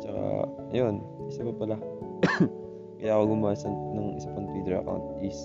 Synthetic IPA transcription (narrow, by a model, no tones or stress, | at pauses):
t͡ʃɐka̰ | jon | ʔɪsɐpɐpɐla | kɐjaːkoɡʊmaːsɐnnʊŋʔɪsapɐŋt̪iːd̪ɾɐ̰ka̰wnt̪̚ʔɪs